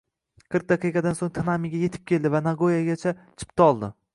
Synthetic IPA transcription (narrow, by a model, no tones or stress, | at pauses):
kʰɪɾt̪̚d̪ɑqʰɨqɑd̪ansoŋt̪ʰnamɪɡʲaje̞t̪ʰɪp̚kʲe̞ld̪ɪvanaɡojaɡʲat͡ʃʰat͡ʃʰɪ̥pt̪ʰaɒlˠd̪ɪ